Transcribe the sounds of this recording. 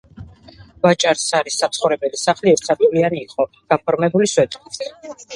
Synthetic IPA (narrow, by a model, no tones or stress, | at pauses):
vat͡ʃʼaɾsaɾisːat̪sʰχɔvɾɛbɛlisaχliɛɾt̪ʰsʰabʼivlianiːqʼɔ | ɡ̥apʰɔɾmɛbuliswɛt̪ʼkʼit